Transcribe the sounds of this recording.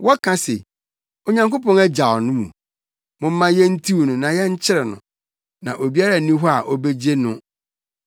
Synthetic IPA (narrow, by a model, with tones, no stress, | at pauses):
wɔ˦kʰã˦se˨ | o˨ɲã˦ŋko˦pɔ̃˦nɛ˦d͡ʑa˨ɔ˨nʊ̃˦mṵ̃˨ | mʊ̃˨m̩˦mã˦jɛ˦n̩˦tʰi˦wnʊ̃˨nã˨jɛ˦ɲ̩˦t͡ɕʰɪ˦ɾɛ˨nʊ̰̃˨ | nã˨ʔo˨bi˦a˦ɾa˨nĩ˦ɦɔ˦a˨ʔɔ˦be˦d͡ʑe˦nʊ̃˦